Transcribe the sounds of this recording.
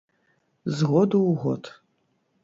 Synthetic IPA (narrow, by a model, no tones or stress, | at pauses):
zɨʁʷɔdowʁʷɔ̰tʰ